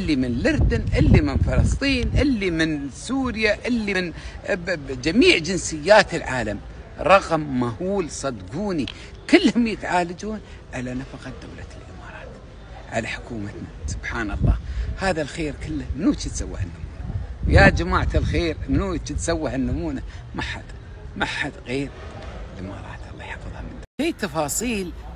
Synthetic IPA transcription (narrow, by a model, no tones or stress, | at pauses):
ʔɪlːimɪnlʊɾd̪ʊnʔɪlːimɪnfɑlɑsˤt̪ˤiːnʔɪlːimɪnsuːɾjaʔɪlːin | d͡ʒamiːʕd͡ʒɪnsɪjːaːt̪ɪlʕaːlam | ɾˤɑɣmːahuːlsˤɑd̪ɡuːni | kɪlːhʊmjɪt̪ʕaːlad͡ʒuːn | ʕalanafaqɑd̪a̰wlalʔɪmɑːɾˤɑːt̪ | ʕa̰laħʊ̥kuːmat̪nasʊb̥ħaːnɑlˤːɑ̰ːhaːðalxeːɾkɪlːamnut͡ʃit̪sawːa̰hanːʊmuːnajad͡ʒamaːʕt̪alxeːɾnut͡ʃit̪sawːahanːʊmuːna | maħa̰d̪ | maħad̪ɣeːɾ | lʔɪmɑ̰ːɾˤɑ̰ːt̪ʔɑlˤːɑːjħɑfɨðˤhɑ̰mɪnd̪aiːt̪ɑfɑːsˤiːl